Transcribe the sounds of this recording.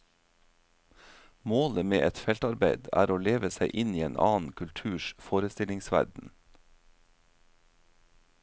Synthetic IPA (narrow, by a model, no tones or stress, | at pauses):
moːləmeːʔɛt̪fɛlt̪ɑɾbeɪd̪æ̰ːɾoːleːʋəsæɪʔɪniːeːnʔɑ̰ːn̩kʰʉlt̪ʰʉːʃfoːɾəst̪ɪlɪŋsʋæ̰ɾɖn̩